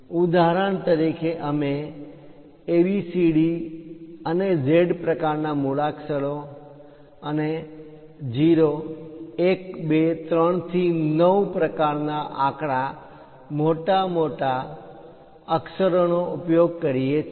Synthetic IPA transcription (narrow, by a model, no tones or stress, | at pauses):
ud̪aɾəɳt̪əɾikʰeʔəme | ʋisiɽi | əned͡ʒeɖpɾəkaɾnamuɭaksəɭo | əne | d͡ʒiɾo | ek̚bet̪ɾəɳt̪ʰinəwpɾəkaɾnaʔa̰kɽa | moʈamoʈa | əksəɾonoupjoɡ̚kəɾijet͡ʃ